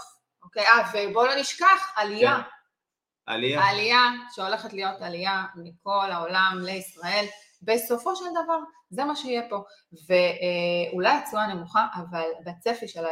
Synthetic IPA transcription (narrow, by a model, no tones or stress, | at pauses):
okejavebo̞loniʃkaχalija | a̰lialijaʃeo̞le̞χetlijo̞taliamiko̞laolamleisʁae̞l | be̞so̞fo̞ʃeld̪avaʁ | zemaʃeijepo̞ | veulajat͡suane̞muχaʔavalbet͡sefiʃela